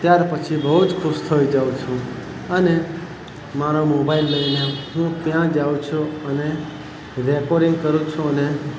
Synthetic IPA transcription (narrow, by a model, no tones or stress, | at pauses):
t̪jaɾpət͡ʃʰibəɦud͡ʒkʰʊʃt̪ʰoid͡ʒaũt͡ʃʰũ | əne | maɾomobailːəjneɦũkjãd͡ʒaũt͡ʃʰũəne | ɾekoɾɪ̃ŋɡ̚kəɾũt͡ʃʰũəne